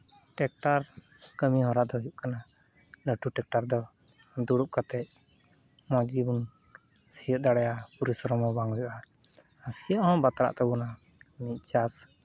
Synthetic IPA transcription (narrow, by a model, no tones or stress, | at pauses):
ʈɛk̚ʈaɾ | kəmiɦɔɾad̪ɔujuʔkana | ləʈuʈɛk̚ʈaɾd̪ɔ | d̪uɽuʔ̚kat̪ɛc̚ | mɔ̃d͡ʒɡibun | sijəd̪aɽɛjapuɾisɔɾɔmɔbaŋujuʔa | əsijəʔhɔ̃bat̪aɾa̰ʔt̪ɛbuna | mic̚t͡ʃas